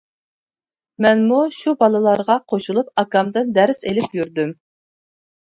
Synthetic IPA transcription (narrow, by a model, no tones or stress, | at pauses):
mɛnmuʃubɑlˠɨlˠɑɾʁɑqʰoʃulˠupɑkɑmd̪ɨnd̪ɛɾselɪpjyɾd̪ym